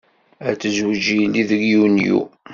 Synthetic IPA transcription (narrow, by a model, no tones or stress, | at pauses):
æt͡sːəzwd͡ʒiniðəɡjunjṵ